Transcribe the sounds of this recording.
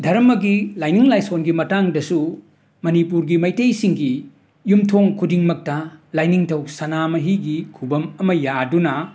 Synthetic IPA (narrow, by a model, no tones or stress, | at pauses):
dʱɐɾmɐɡilajniŋlajsonɡimɐtaŋdɐsu | mɐnipuɾɡimɐjtejsiŋɡi | jumtʰoŋkʰudiŋmɐk̚tɐlajniŋtʰɐwsɐnamɐɦiɡikʰubɐmɐmɐjadunɐ